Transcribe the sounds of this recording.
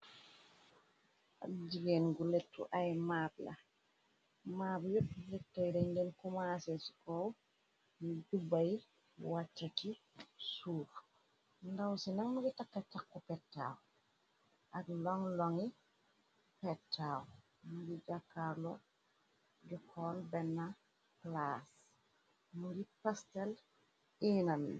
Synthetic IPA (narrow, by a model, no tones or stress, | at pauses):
ʔa̰d͡ʒiɡeːnɡulɛtːṵʔajmaːbla̰ | maːbjut̚lɛtːajɾɛɲdɛnkumaːsesu̥kɔw | nɟubaj | wat͡ʃːaki | suːɾ | ndɐwsinɐŋmuɡitakːɐtːakːɔpɛtːa̰ːw | ʔɐɡlɔŋlɔŋi | pɛtʰːaːw | muɡiɟakːalɔ | ɟukʰɔːlbɛnːa | klas | muɡipastɛl | iːnɐm